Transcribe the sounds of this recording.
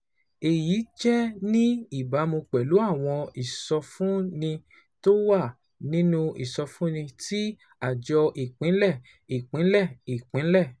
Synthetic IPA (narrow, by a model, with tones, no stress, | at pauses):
e˧ji˨˦t͡ʃɛ˦nĩ˦i˦˨ba˨˦mo˧k͡pɛ˨lu˨˦a˦˨w̃ɔ̃˧i˨sɔ˧fũ˦nĩ˧ | to˦wa˦˨ | nĩ˦nũ˦i˨sɔ˧fũ˦nĩ˧tʰi˦ | a˨d͡ʒɔ˧ʔi˨k͡pĩ˨˦n̩˦lɛ˦˨ | i˨k͡pĩ˨˦n̩˦lɛ˦˨i˨k͡pĩ˨˦n̩˦lɛ˦˨